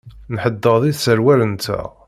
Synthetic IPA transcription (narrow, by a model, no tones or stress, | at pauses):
nħəd̪ːəðˤiðsəɾwæɾənt̪æ̰